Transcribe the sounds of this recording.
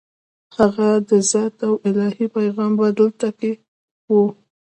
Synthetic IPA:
haɣad̪əzɑt̪awɪlɑhipajɣɑmbad̪əlt̪ake | wu

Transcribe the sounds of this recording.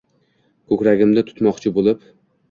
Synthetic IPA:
kʰɵkʲɾaɡʲɪmd̪at̪ʰʊ̥t̪mɒqt͡ʃʰɪbolˠɪp

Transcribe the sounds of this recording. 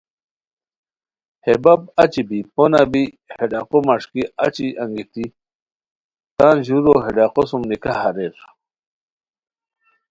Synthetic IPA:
hebab̚at͡ɕibiponabi | heɖaqomaʂkia̰t͡ɕiʔãŋɡit̪i | t̪aːnʑuɾoɦeɖaqosumnikahaɾeɾ

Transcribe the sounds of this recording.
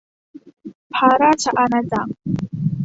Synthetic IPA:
pʰaɾaʈ͡ʂʰaʔanat͡sʼam

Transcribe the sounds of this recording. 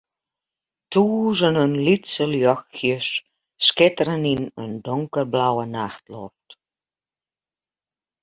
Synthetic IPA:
t̪uuʒə̆nənlyt̪t͡səljɑxːiʃ | ʃket̪ɾəninə̰nd̪oŋkə̆rblɑwənɑxt̪lo̰rt̪

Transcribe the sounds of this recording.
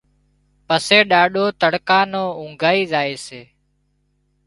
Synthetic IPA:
pəseːɗaːɗoːt̪əɽkãːnõːũːŋɡʱaːiːzaːeːseː

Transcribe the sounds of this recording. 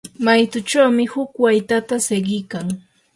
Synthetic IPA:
majt̪ʊt͡ʃawmɪhʊkwajt̪at̪aseɢɪjkaŋ

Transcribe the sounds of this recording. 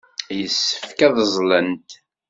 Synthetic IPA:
jəsːə̥fkæðəzˤlənt̪

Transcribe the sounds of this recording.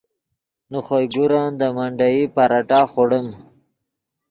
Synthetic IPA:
nuχojɡuɾand̪əmaɳɖajipaɾaʈaːχoɽəm

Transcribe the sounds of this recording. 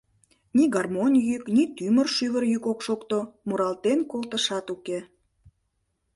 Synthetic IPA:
niɡɑrmonʲjyknit̪ymərʃyβərjykokʃokt̪omuɾɑlt̪enkolt̪əʃɑt̪uke

